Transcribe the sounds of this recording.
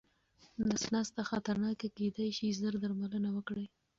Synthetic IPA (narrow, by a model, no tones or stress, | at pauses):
d̪əsnɑst̪axat̪aɾnɑkaked̪ajʃizəɾd̪aɾmalənawəkɽəj